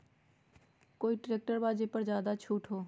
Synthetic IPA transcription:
koːiːʈɾeːk̚ʈəɾbaːd͡ʒepəɾzjaːd̪at͡ʃʰuːʈʰɦoː

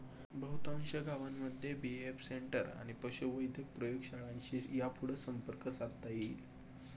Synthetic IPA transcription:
bəɦut̪ãŋɕəɡaʋamːəd̪ʱːjebiefseɳʈəɾa̰ɽ̃ipəɕuʋəjd̪ʱjək̚pɾəjoɡɕaɭãɲt͡ɕiːjapuɽ̤əsəmpəɾkəsaɾt̪ajil

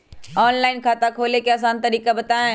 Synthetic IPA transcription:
ɔːnlaːɪnkʰaːt̪akʰoːlekeɐs̬aːnt̪ɐɾiːkabɐt̪aːẽ

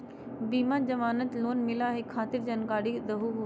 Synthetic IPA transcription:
biːmad͡ʑɐʋaːnət̪loːnmɪlaɦɪkxʰaːt̪ɪɾd͡ʑɐnkaːɽiɗ̪ɐɦuɦoː

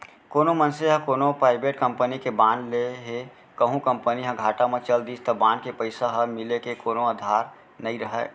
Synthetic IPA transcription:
koːnomənseɦə̃koːnopɾaːɪbeːʈkə̃mpənikebãːnleɦe | kəɦũkə̃mpəniɦə̃ɡʱaːʈamẽt͡ʃəld̪iːst̪ɔbãːnkepəɪsaɦəmɪlekekoːnoəd̪ʱaːɾ | nəĩɾəɦɛ̰ː

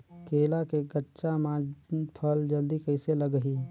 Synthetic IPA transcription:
keːlakeɡətːʃamãd͡ʒpʰəld͡ʒəld̪ikəɪseləɡɦiː

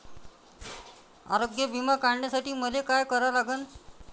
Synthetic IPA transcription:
a̰ɾoɡjəbimakaɳɳjasaʈiːməlekajkəɾalaɡən

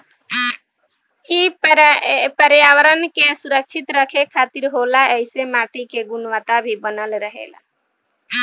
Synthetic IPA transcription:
i | pəɾjawəɾənkesuɾək̚t͡ʃʰit̪ɾəkʰekʰaːt̪iɾɦolaəɪsemaʈikeɡʊnwət̪abʱibənəlɾəɦḛla̰

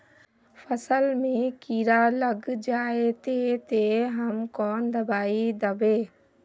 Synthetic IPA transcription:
fʰəsəlmẽkiːɾaləɡd͡ʒaːet̪et̪eɦəmkɔːnd̪ɐbaːid̪əbeː

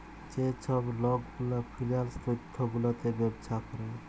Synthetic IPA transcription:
d͡ʒet͡ʃʰɔblɔɡɡulapʰilijalst̪ɾit̪ʰːoɡulɔt̪ebɔbd͡ʒakɔɾe

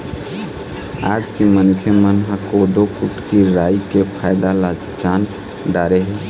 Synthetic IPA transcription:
ad͡ʒkemənukʰjemənɦakod̪okuʈkiɾaikepʰaɪd̪ala | t͡ʃan | ɖaɾeɦɛ

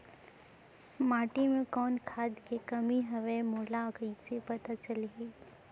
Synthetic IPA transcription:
maːʈimẽkɔːnkʰaːd̪kekɐmiɦɐʋemoːlakəisepɐt̪at͡ʃəleɦeː

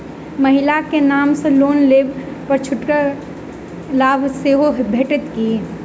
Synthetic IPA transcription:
mɐɦɪlakenaːmseloːnleːbpəɾt͡ʃʰʊʈka | laːbʱseːɦoɦbʱeːʈɪt̪ki

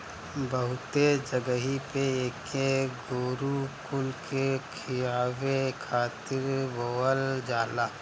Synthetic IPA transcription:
bəɦʊt̪ed͡ʒəɡəɦipeeːkeɡoːɾukʊlkʰekʰɪjaːwekʰaːt̪ɪɾboəld͡ʒaːlaː

